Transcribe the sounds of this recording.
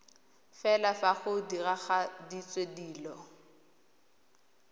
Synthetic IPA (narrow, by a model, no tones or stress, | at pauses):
fɛlafaχʊdiraχadit͡sʼwediːlɔ